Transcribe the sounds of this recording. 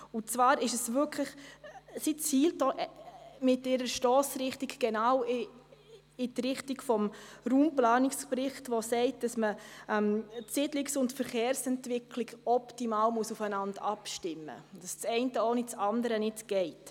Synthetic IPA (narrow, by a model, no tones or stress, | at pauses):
ʊt͡svɑːɾɪʃəsvʏkʰləχsit͡shiːltoːʔmɪtɪɾəʃtɔːsɾɪχtiɡɡ̥ɛnaːw | ɪtɾɪχtiɡfɔmɾuːmplɑːnɪkspɾɪχtʋosɛɪtd̥ɑsməɛmtsɪdlɪksʊntfəɾχeːɾsɛntvɪkʰliɡɔptimaːlmuʊsufənɑndɑpʃtɪmːə̰d̥ɑst͡sɛɪntəonɪt͡sɑndəɾənɪtɡ̥ɛɪt